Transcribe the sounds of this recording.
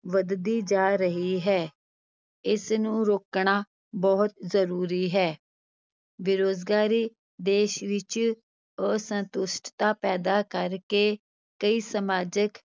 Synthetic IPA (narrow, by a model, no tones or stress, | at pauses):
ʋəd̪d̪iːd͡ʒaːɾəɦiːɦɛː | ɪsnũːɾoːkɳaː | bɔːʊt̪zəɾuːɾiːɦɛː | bɪɾoːzɡaːɾiː | d̪eːʃʋɪt͡ʃ | əsənt̪ʊsʈt̪aːpɛːd̪aːkəɾkeː | kəiːsəmaːd͡ʒək